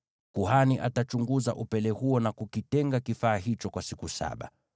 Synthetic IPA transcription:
kuhaniʔa̰tat͡ʃuŋɡuza̰ʔupɛlɛhuɔnakukitɛŋɡakifaːɦit͡ʃɔkwasikusa̰ɓa̰

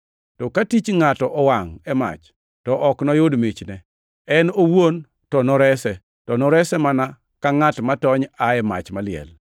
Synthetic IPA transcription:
tɔkatit͡ʃŋatɔʔɔwaŋɛma̰t͡ʃ | tɔʔɔknɔjodmit͡ʃnɛ | ɛnowon | tɔnɔɾɛsɛ | tɔnɔɾɛsɛmana | kaŋatmatɔɲaɛma̰t͡ʃmalɪɛ̰l

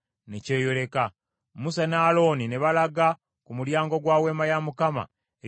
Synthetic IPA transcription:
neceːjo̞ɾe̞ka | musanaːlo̞ːnine̞βalaɡa | kumuɾjaːŋɡo̞ɡwaːwe̞ːmajamukama̰ | e

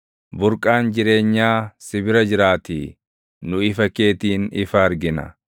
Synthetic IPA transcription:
bʊɾkʼaːnd͡ʒɪɾe̞ːɲːaːsɪbɪɾɐd͡ʒɪɾaːt̪i | nʊɪfɐke̞ːt̪iːnɪfɐɐɾɡɪnɐ̰

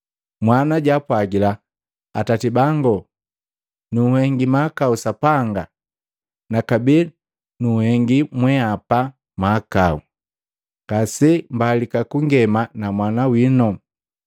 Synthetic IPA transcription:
mwanaɟapwaɡila | atatibaŋɡɔ | nuːhɛŋɡimakausapaŋɡa | nakabi | nuhɛŋɡimwɛapa | maːkaṵ | ɡ̥asɛmbalikakuŋɡɛmanamwanawinɔ

